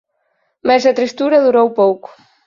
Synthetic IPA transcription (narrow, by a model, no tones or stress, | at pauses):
mesɐt̪ɾist̪uɾɐðuɾowpowkʊ̥